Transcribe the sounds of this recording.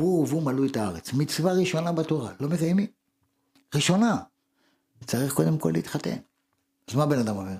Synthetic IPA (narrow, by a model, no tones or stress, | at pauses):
uvumalujetaaʁet͡smit͡svaʁiʃo̞nabato̞ʁa̰lo̞mekajemi | ʁiʃo̞na | t͡saʁiχko̞d̪e̞mko̞lḭit̪χate̞̰n | azmabe̞nad̪amoveʁ